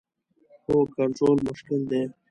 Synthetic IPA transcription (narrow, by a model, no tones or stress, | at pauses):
oːkaɾzoːlmʊʃkɪld̪eː